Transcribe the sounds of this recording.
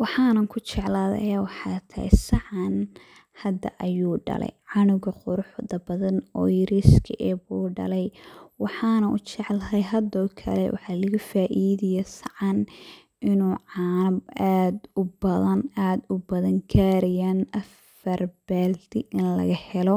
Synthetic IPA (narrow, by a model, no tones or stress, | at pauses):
wɑħɑːnɐŋkʰʊt͡ʃɛʕlaːðɛ̰ʔɐjawɑħɑt̪ʰɐhɛ̰sɑʕɑn | hɐd̪ɐ̰ʔɐjuːɖɐ̰lɛ̰jʕɑnʊɣɐqʊɾʊħðɐbɐðɐnɔjɾiskʰɐʔɛːbuːɖɐ̰lɛjwɑħɑːnɐʔʊt͡ʃɛʕlɐɦɐjɦɐd̪ɔːkʰɐ̰lɛ̰wʔɑ̰ħɑːlɐɣɐfaːʔiːðɪjɛsɐʕɑn | ʔɪnuːʕɑnaːd̪ʊbɐðɐnaːd̪ʊbɐðɐŋkʰaːɾɪjanʔɐf | ɐrbaːld̪ʰɪʔɪnlɐ̰ɣɐhɛlɔ